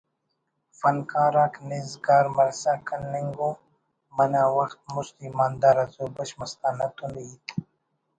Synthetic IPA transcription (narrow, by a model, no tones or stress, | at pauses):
fɐnkaːɾaknizɡaːɾmɐɾsakɐnːeŋɡo | mɐnaːwɐxt̪̚mʊst̪imaːnd̪aɾɐzoːbɐʃmɐst̪aːnɐt̪unit̪